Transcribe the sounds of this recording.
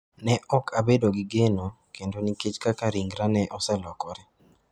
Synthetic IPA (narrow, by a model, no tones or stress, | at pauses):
nɛʔɔkʰabedoɡɪɡeno | kendoniket͡ʃkakaɾiŋɡɾanɛʔɔsɛlɔkɔɾɛ